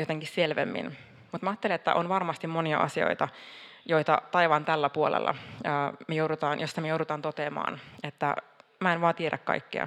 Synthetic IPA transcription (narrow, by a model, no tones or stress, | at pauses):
jot̪eŋkisselʋḛmːḭn | mut̪mæɑːt̪ːeliet̪ːæ̰ʔonʋɑrmɑst̪immoniɑ̰ʔɑ̰sio̰it̪ɑ | jojt̪ɑ̰t̪ɑiʋɑnt̪ælːæpuolḛlːʔɑ̰əːmejouɾut̪ɑːnjost̪ɑmejowɾut̪ɑːnt̪ot̪eːmɑ̰ːnet̪ːæ̰mæenʋɑːt̪ieɾʔækkɑ̰ikːḛɑ̰